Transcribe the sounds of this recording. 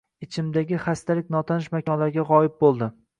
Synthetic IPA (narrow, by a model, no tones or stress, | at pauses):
ɪt͡ʃʰɪmd̪aɡʲɪχast̪ʰalɪkʲnɒt̪ʰanɪʃmakʲʰɒnlaɾɡʲaʁɒjɪp̚bolˠd̪ɪ